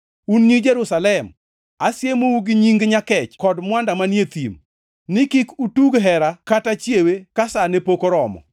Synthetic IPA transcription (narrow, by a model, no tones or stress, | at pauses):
unɲid͡ʒeɾusalɛm | asjemowuɡɪɲiŋɡɲakɛt͡ʃkɔdmwandamanjet̪ḭm | nɪkikutuɡɦɛɾakatat͡ʃjewekasanepokoɾɔmɔ̰